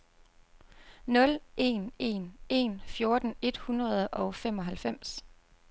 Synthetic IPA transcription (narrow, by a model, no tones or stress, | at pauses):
nɔ̽lʔe̝̰ːne̝̰ːne̝̰ːnfjo̝ːɐd̥n̩e̝d̥hunʁɐð̞ˠʔɒ̽ʊfem̰ɒ̽ɦælfem̰s